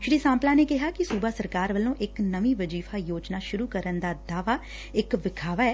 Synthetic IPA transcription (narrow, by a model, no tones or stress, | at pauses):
ʃɾiːsãːmplãːneːkɪɦaːkɪsuːbaːsəɾkaːɾʋəlːõːʔɪknəʋĩːʋəd͡ʒiːfʰaːjoːt͡ʃnaːʃʊɾuːkəɾənd̪aːd̪aːʋaː | ɪkʋɪkʰaːʋaːɛː